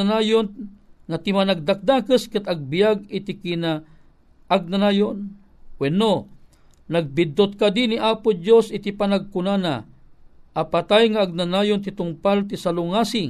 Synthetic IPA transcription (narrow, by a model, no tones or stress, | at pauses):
anajonŋat̪imanaɡ̚d̪ak̚d̪akəskɨt̪aɡ̚bijaɡit̪ikina | ʔaɡ̚nanaːjon | kwɛnːo | naɡ̚bid̪ot̪̚kad̪iniʔapʊd͡ʒosit̪ipanaɡ̚kunana | ʔːpat̪ajŋaːɡ̚nanajont̪it̪ʊŋpalt̪isalʊŋaːsɪŋ